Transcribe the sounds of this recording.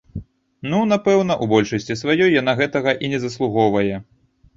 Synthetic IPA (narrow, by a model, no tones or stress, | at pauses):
nunapɛwnɐʔubɔlʲʂɐsʲt͡sʲisvajɔjːan̪aɣɛt̪ɐɣɐʔinʲɛzɐslˠuɣɔvɐjɛ